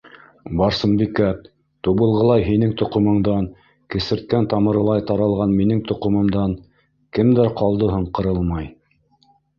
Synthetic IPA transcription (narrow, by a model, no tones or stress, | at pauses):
bɑɾsɤmbikæt | t̪uβɤ̆lˠʁɤ̆lˠɑjɦinɘŋt̪ŏqɤ̆mɤ̆ɴd̪ɑn | kɘ̆sɘ̆ɾt̪̚kænt̪ɑmɤ̆ɾɤ̆lˠɑjt̪ɑɾɑlˠʁɑnminɘŋt̪ŏqɤ̆mɤ̆md̪ɑn | kɘmd̪æɾqɑlˠd̪ɤ̆ɦɤɴqɤ̆ɾɤlˠmɑj